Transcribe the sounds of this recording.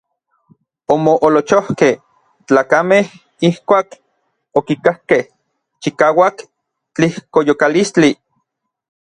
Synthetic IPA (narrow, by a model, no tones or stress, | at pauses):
omoʔolot͡ʃohkeh | t͡ɬaːkameh | ihkʷaːk | okikahkeh | t͡ʃikaːwak | t͡ɬihkojokalist͡ɬi